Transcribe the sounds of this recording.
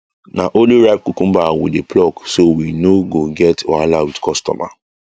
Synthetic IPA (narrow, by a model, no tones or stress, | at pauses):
naʔoliɹaɪb̚kukũmbawḭdepʰlɔksowinoɡoɡɛtɔalawidkʰɔstɔ̰ma̰